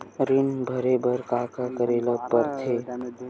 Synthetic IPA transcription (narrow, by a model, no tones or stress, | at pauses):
ɾinbʱəɾebəɾkakakəɾeləpəɾt̪ʰe